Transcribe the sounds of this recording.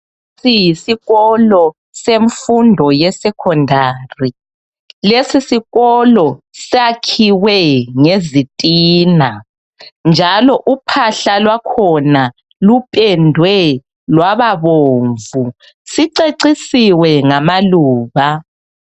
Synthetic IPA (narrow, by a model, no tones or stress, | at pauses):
sijisiɣɔlɔ | seɱfundʱɔjɛsɛkʰɔndʱaːri | lesisiɣɔlɔsakʰiwɛŋezitʼiːna | nd͡ʒʱalɔʔupʰaɬalwakʰɔna | lupʼɛndʱwɛ | lwaβaβoːɱvu | siǀeǀisiwɛŋamaluːβa